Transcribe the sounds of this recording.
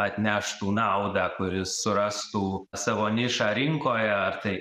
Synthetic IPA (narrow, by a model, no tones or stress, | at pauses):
ɐt̪ʲnʲæʃt̪uːnɑʊd̪ɑːkʊɾʲɪsːʊɾɐst̪uːsɑʋoːnʲɪʃɑɾʲɪŋkoːjɛɐrt̪ɐɪ